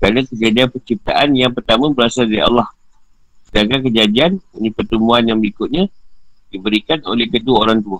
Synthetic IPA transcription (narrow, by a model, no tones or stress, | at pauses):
kɾanakəd͡ʒadianpərt͡ʃip̚t̪a̰ʔanjaŋpərt̪amãbəɾasaldaɾiɑ̰lːɑh | sədaɡak̬əd͡ʒadianunipərt̪əmuanjaŋbəikʊt̪̚ɲadibəɾikano̰lɛhkəduaoɾaŋt̪ua